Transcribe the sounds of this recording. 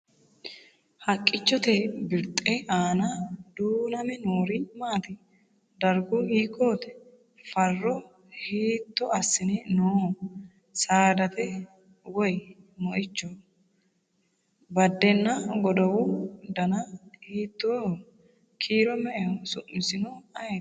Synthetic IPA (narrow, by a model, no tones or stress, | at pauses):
hɐkʼːɪt͡ʃːɔt̪ɛbɪɾt̪ʼɛʔaːnɐd̪uːnɐmɛnoːɾɪmaːt̪ɪ | d̪ɐɾɡʊiːkːoːt̪ɛ̥ | fɐrːɔ | hiːt̪ːɔɐsːɪnɪnoː | saːd̪ɐt̪ɛ | wɔjmɔʔɪt͡ʃːɔ | bɐd̪ːɛnːɐɡɔd̪ɐwʊd̪ɐnɐhiːt̪ːoː | kʰiːɾɔmɛʔɛsʊʔmɪsɪnɔɐ